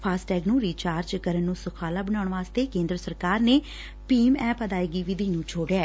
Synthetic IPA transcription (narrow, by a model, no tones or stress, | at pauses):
pʰaːsʈɛːɡnũːɾiːt͡ʃaːɾd͡ʒkəɾənːũːsəkʰaːlaːbəɳaːɳʋaːst̪eːkẽːnd̪ɾəsəɾkaːɾneː | piːmɛːpəd̪aːiːɡiːʋɪd̪ʱiːnũːt͡ʃʰoːɖjaː